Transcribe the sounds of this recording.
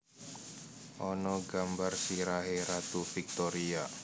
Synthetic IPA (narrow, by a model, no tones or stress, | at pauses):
ʔɔnɔɡambarsiɾaɦeɾat̪ufik̚t̪ɔɾia